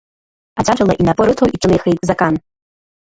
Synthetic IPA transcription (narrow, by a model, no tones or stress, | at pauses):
ad͡zaʈ͡ʂʷalˠaʔinapʼɨɾɨtʰowʔiʈ͡ʂʼɨnɨjxejt̪ʼzakʼan